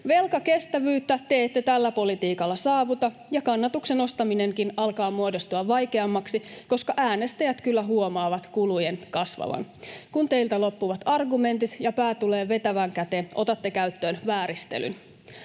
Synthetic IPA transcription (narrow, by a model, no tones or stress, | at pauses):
ʋe̞lkɑke̞st̪æʋyːt̪ːæt̪e̞ːt̪ːet̪ælːæpo̞lit̪iːkɑlːɑsɑːʋut̪ɑjɑkɑnːɑt̪ukse̞no̞st̪ɑmine̞ŋkinɑlkɑːmuodost̪uɑʋːɑjke̞ɑmːɑksiko̞skɑʔæːne̞st̪æjæt̪kylːæɦuomɑːʋɑt̪kulujenkɑsʋɑ̰ʋɑ̰nkunt̪eilt̪ælo̞pːuʋɑt̪ɑrɡume̞nt̪it̪jɑpæːt̪ule̞ːʋe̞t̪æʋæŋkæt̪eʔo̞t̪ɑt̪ːekæyt̪ːø̞ːnʋæːɾist̪ḛly̰n